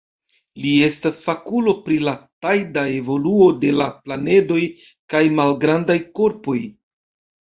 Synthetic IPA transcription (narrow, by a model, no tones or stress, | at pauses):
lie̞stasfakulo̞pɾilatajdae̞vo̞luo̞de̞laplane̞do̞j | kajmalɡɾandajko̞ɾpo̞j